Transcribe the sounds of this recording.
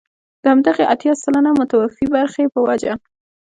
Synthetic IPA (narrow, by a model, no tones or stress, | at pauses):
d̪̥əhamd̪aɣeʔat̪jɑsalanamʊt̪awafibaɾxepəwad͡ʒa